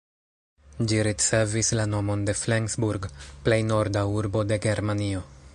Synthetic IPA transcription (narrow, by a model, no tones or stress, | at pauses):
d͡ʒiɾit͡se̞vislano̞mo̞nde̞fleŋsbuɾɡple̞jno̞ɾdauɾbo̞de̞ɡe̞ɾmanio̞